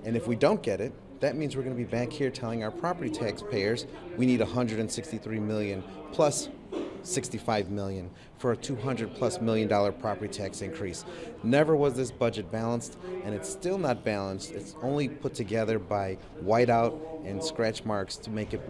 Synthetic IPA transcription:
ɨ̃nɨfwidõʊ̃nɡ̥ɛɾɪt̪̚ | ðɨt̚mĩnzwɨɹɡʌnɨbibæ̃ŋkhiɹtʰɛlˠɪ̃ŋaʊə˞pʰɹ̥ɑpə˞ɾitʰækspʰeɪə˞zwiniɾəhʌ̃ndɹɨɾɨ̃nsɪkstiθɹimɪlˠjɨ̃npʰl̥ʌsː | ɪkstifaɪvmɪlˠjɨ̃n | fə˞ɨtʰuɦʌ̃ndɹɨd̚pʰl̥ʌsmɪlˠjɨ̃ndɔlˠə˞pʰɹ̥ɑpə˞ɾitʰæksɨ̃nkʰɹ̥isnɛvə˞wʌzðɪsb̥ʌd͡ʒɨt̚b̥ælˠə̃nstɨ̃ñɨtstɪlˠnət̚b̥ælˠə̃nstɨtsõʊ̃nlipʰʊtʰɨɡɛðə˞baɪ | waɪɾaʊɾɨ̃nskɹæt͡ʃmɑɹkstʰəmeɪkɨt̚

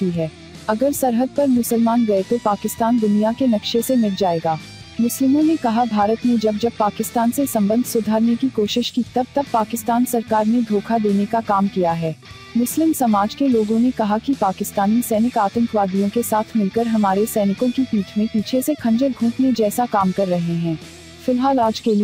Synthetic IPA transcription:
t̪iɦɛː | ɐɡəɾsɐɾɦəd̪̚pɐɾmʊsəlmaːnɡɐet̪opaːkɪst̪aːnd̪ʊnijakenɐkʃesemɪld͡ʒaːeːɡaː | mʊslɪmõnekɐɦabʱaːɾət̪ned͡ʒɐb̚d͡ʒɐb̚paːkɪst̪aːnsesɐ̃mbə̃nd̪ʱsʊd̪ʱaːɾnekikoːʃɪʃkit̪ɐb̚t̪ɐb̚paːkɪst̪aːnsɐɾkaːɾned̪ʱoːkʰad̪eːnekakaːmkijaɦɛː | mʊslɪmsɐmaːd͡ʒkeloːɡõnekɐɦakipaːkɪst̪aːnisɛːnɪkaːt̪ə̃ŋkʋaːd̪ijõkesaːt̪ʰmɪlkəɾɦɐmaːɾesɛːnɪkõkipiːʈʰmẽpiːt͡ʃʰesekʰɐ̃ɲd͡ʒəɾɡʱũːpned͡ʒɛːsakaːmkɐɾːɐɦeɦɛ̃ː | fɪlɦaːlaːd͡ʒkeli

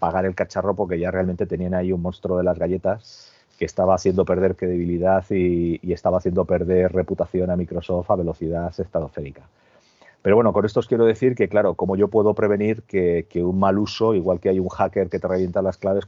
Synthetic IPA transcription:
paɣaɾe̞lkat͡ʃaro̞po̞ɾke̞ʝare̞alment̪e̞t̪e̞nianaiunmõnst̪ɾoð̞e̞lazɣaʎe̞t̪as | ke̞ːst̪aβaːθje̞nd̪o̞pe̞ɾðe̞ɾkɾe̞ðeβ̞iliðaθiːe̞st̪aβaθje̞nd̪o̞pe̞ɾðe̞rre̞put̪aθjo̞namikɾo̞so̞ft̪aβe̞lo̞θið̞aθe̞st̪at̪ofe̞ɾika | peɾowe̞no̞ko̞ne̞st̪o̞skjeɾo̞ð̞e̞θiɾke̞klaɾo̞ko̞mo̞ʝo̞pwe̞ðo̞pɾe̞β̞e̞niɾke̞keunmaluso̞iɣ̞walke̞ajuŋxake̞ɾke̞t̪e̞reaβje̞nt̪alasklaβe̞s

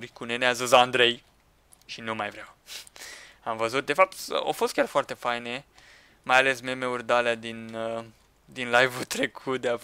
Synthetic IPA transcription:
ɾikuneneazəzaːnd̪ɾej | ʃinumajvɾeaw | amvəzut̪̚d̪e̞fap̚t̪o̰fost̪kʲarfoart̪e̞fajne | majale̞smemeurd̪alead̪inə | d̪inlajvult̪ɾekʰut̪̚d̪ea

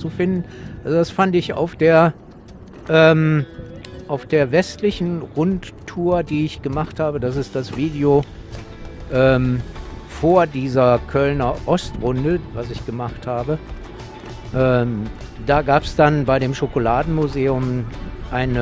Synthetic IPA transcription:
t͡sufɪndn̩ʔalzodasfandɪça̰ʊfd̥eːɐ | ʔɛːm | ʔaʊfd̥eːɐvɛstlɪçn̩ʁʊnttʰːuːɐdiːɪçɡ̥əmaχthaːbədas̬ɪstd̥asv̥iːdeo | ʔɛːmfoːɐdiːzɐkʰœlnɐʔɔstʁʊndəvasɪçɡ̥əmaχthaːbə | ʔɛːm | d̥aːɡaːpsd̥anbaɪɾeːmʃokolaːdn̩muzeːʊmʔaɪnə

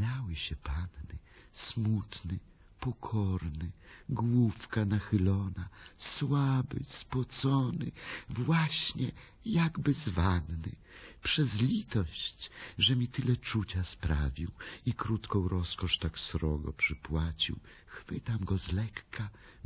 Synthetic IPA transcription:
awɘɕɛpannɘ | smut̪nɘ | pɔkʰɔɾnɘɡwufkanaxɘlɔnaswabɘ̰spwɔt̪sɔnɘ̰vwaɕɲɛ | jaɡbɘzvannɘ̰ | pʂɛzlʲit̪ɔɕt͡ɕʐɛmʲit̪ɘlɛt͡ʂut͡ɕaspɾavʲiwikɾut̪kɔ̃w̃ɾɔskɔʂt̪aksɾɔɡɔ̰pʂɘpwat͡ɕḭw | xfɘt̪amɡɔzlɛkːa

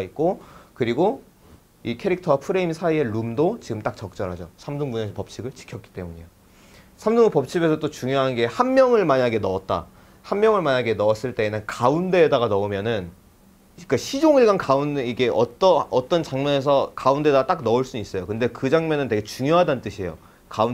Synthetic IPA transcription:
ait̚k͈okɯɾiɡo | ikʰe̞ɾik̚tʰʌwapʰɯɾe̞imsʰaie̞ɭumdot͡ɕiɡɯmt͈ak̚t͡ɕʌk̚t͡ɕ͈ʌɾɦad͡ʑosʰamduŋbune̞sʰʌpʌp̚t͡ɕʰiɡɯɭt͡ɕi̥kʰjʌt̚k͈i̥t͈e̞muɲejo | sʰamduŋupʌp̚t͡ɕʰibe̞sʰʌt͈ot͡ɕuŋjoɦanɡe̞hanmjʌŋɯɭmaɲaɡe̞nʌʌt̚t͈a̰ | hanmjʌŋɯɭmaɲaɡe̞nʌʌs͈ɯɭt͈e̞ːnɯnkaunde̞ːdaɡanʌumjʌnɯn | k͈aɕʰid͡ʑoŋiɭɡankaundeiɡe̞ʔʌt͈ʌʌt͈ʌnt͡ɕaŋmʌne̞s̬ʰʌkaunde̞daat͈ak̚nʌuɭs͈uis͈ʌjokɯnde̞kɯd͡ʑaŋmjʌnɯnteɡe̞t͡ɕuŋjoɦadannt͈ɯɕʰie̞̰jo̰ | kaun

